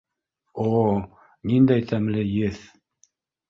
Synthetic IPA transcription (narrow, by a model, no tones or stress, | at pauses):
o | nind̪æjt̪ʰæmlɘjɘθ